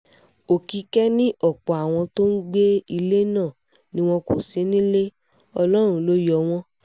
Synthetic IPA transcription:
o˨ki˨˦kɛ˦nĩ˦ʔɔ˦˨k͡pɔ˨a˨w̃ɔ̃˧to˦n̩˦ɡ͡be˦i˧le˦nãː˦˨ | nĩ˦w̃ɔ̃˧ko˨se˨˦nĩ˦le˦ | ɔ˧lɔ˦ɾ̃ũ˧˦lo˦jɔ˨w̃ɔ̃˧˦

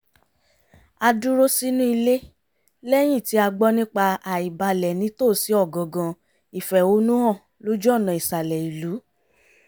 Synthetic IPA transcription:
a˧du˦ɾo˦si˦nũ˦i˧le˦ | lɛ˦j̃ĩ˦˨ti˨˦a˧ɡ͡bɔ˦nĩ˦k͡pa˧a˨i˨ba˧lɛ˨nĩ˨˦toː˦˨si˨˦ɔ˦˨ɡɔ̃˨ɡã˧ | i˨fɛ˨o˨˦nũ˦hɔ̃˦˨ | lo˦d͡ʒɔ˦˨nã˨i˨sa˨lɛ˨i˨lu˨˦

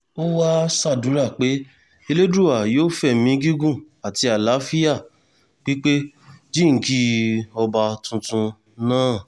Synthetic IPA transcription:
o˦wa˦sa˦˨dũ˨˦ɾa˦˨k͡pe˨˦ | e˧le˦dɾu˦˨a˨joː˦fɛ˦˨mĩ˧˦ɡi˦ɡũ˦˨ | a˨ti˧a˨la˨˦fi˦ja˦˨ | k͡pi˦k͡pe˦ | d͡ʒi˦ŋ̩˨˦ki˦ɔ˧ba˧tũ˧tũ˧ | nãː˦˨

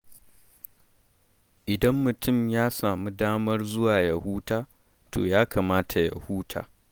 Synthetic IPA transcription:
ʔɪ˨dɐ˦mːʊ˨tʊ˦˨mjaː˦saː˨mu˦daː˦mɐ˦rzʊ˦waː˨ja˦˨huː˦taː˦ | tʰo̰ː˨jaː˦kʰaː˨maː˦tʰa˨ja̰˨huː˦tʰa̰ː˨

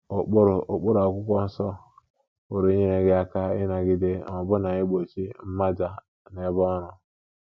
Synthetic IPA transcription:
o˨k͡pɾo˨k͡pʊ˦ɾa˨kʷʊ˦kʷɔ˦n̩˦sɔ˦ | wo˨ɾe˨˦ɲe˦ne˨ɡɪ˦a˦ka˦ɪ̰˦na˨ɡɪ˦de˦˨nɔ˨bʊ˦na˨i˦ɡ͡bo˨t͡ʃi˦m̩˦ma˦d͡ʒa˨ | ne˨˦bɔ˦ɾʊ˨

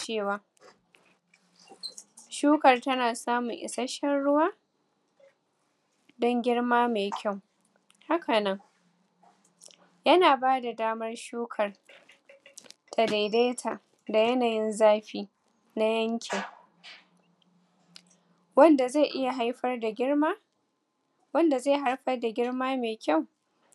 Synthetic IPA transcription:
t͡ʃeː˦˨waː˨ | ʃuː˦kɐ˨rtɐ˦naː˨saː˦mʊ˨ŋʔɪ̰˨sɐ˦ʃɐ˦nɽʊ˦waː˦ | dɔ˦ŋɡʲɪ˦ɽmaː˦meː˨kʲʰa˦˨w | ha˦kʰɐ˨nɐ˦ŋ | jɐ˦naː˨baː˦da˨daː˦mɐ˦rʃuː˦kʰɐ˨r | tʰɐ˨da˨jde˦tʰa˨ | da˨jɐ˦naː˨jɪ˦nzaː˦ɸiː˦ | na˦jɐ˦ŋkʲʰɪ˨ŋ | wɐ˦nda˨ze˦˨ʔɪ˦ja˨ɦa˦jɸɐ˦rda˨ɡʲɪ˦ɽmaː˦ | wɐ˦nda˨ze˦˨ɦa˦ɽɸɐ˦rda˨ɡʲɪ˦ɽmaː˦meː˨kʲa˦˨w

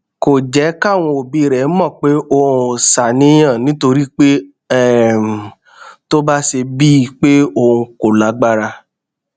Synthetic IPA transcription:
ko˨d͡ʒɛ˨˦ka˦˨w̃ɔ̃˧o˨bi˧˨ɾɛ˨˦mɔ̃˦˨k͡pe˨˦o˧˨˧sa˨nĩ˨˦j̃ã˦˨nĩ˨˦to˧ɾi˦k͡pe˦ | ɛ˦˨ | to˦ba˦se˧bi˦˧k͡pe˦o˧ũ˧ko˨la˨˦ɡ͡ba˦ɾa˧

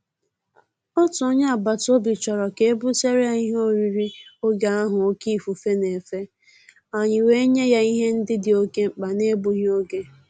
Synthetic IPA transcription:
ɔ˦tʊ˨ʊ˦ɲa˦a˨ba˨to˦bi˨t͡ʃɔ˨ɾɔ˨ke˦e˦bʊ˦se˦ɾja˨i˦ɦo˦ɾi˨ɾi˦o˦ɡe˨a˦ɦʊ˨o˦ki˦˨fu˨fe˦ne˨fe˦ | a˨ɲɪ˨we˦ɲe˦ja˦i˦ɦe˦n̩˦dɪ˦dɪ˨o˦ke˦ŋ͡m̩˨k͡pa˨ne˦bu˨˦ɦi˦o˦ɡe˦

